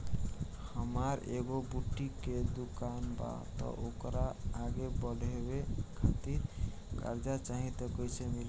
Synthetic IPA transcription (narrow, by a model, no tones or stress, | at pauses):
həmaɾḛɡobuʈːiked̪ukanba̰t̪ɔ̰ʔokɾaːɡebɔlʱebekʰat̪iɾ | ka̰ɾd͡ʒat͡ʃaɦĩt̪ɔkɔjsʰemil